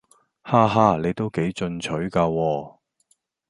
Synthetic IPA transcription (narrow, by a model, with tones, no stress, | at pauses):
haː˧ɦaː˧˩le˨˧jt̪o˥wke˨˥jt͡ʃɵ˧nt͡ʃʰɵ˨˥ɥkaː˧wɔː˧